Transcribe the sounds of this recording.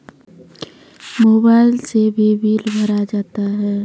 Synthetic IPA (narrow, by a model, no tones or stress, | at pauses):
moːbaːɪlsebʱibʱiːlbʱəɾad͡ʒaːt̪aɦɛː